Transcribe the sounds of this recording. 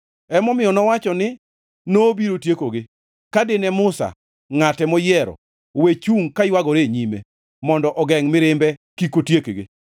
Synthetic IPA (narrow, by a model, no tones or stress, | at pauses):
ɛmɔmɪjɔnɔwat͡ʃɔnɪ | nobiɾotjekoɡɪ | kadɪnɛmʊsa̰ | ŋatɛmɔjɛɾɔ̰ | wet͡ʃuŋkajwaɡɔɾeɲime | mɔndɔʔɔɡɛŋmɪɾɪmbɛkikotjekeɡɪ̰